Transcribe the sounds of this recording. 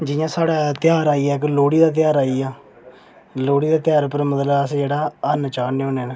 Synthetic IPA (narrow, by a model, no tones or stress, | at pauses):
d͡ʒɪjãːsaːɽaːt̪ɪjaːɾaːiːɛːkloːɽiːd̪aːt̪̬ɪjaːɾaːiːaː | loːɽiːd̪aːt̪ɪjaːɾpəɾmət̪ləəsẽːd͡ʒeːɽaːənt͡ʃaːneõːneːnː